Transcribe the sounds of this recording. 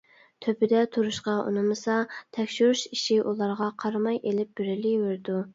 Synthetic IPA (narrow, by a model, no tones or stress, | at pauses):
t̪ʰøpɪd̪ɛt̪ʰuɾuʃqɑʔṵnɨmɨsɑt̪ʰɛkʲʃyɾuʃiʃiʔulˠɑɾʁɑqʰɑɾmɑjelɪp̚b̥yɾɪliweɾd̪u